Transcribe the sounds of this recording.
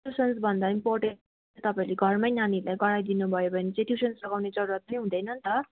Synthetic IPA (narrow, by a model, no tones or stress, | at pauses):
usʌnsbʱʌnd̪aimporʈe | t̪ʌpaĩleɡʱʌrmʌjnanilajɡʌɽajd̪inubʱʌjobʱʌnet͡seʈjusʌnsrʌɡawned͡zʌɾuɾat̪̚pʌnĩɦũd̪ʌjnʌnt̪ʌ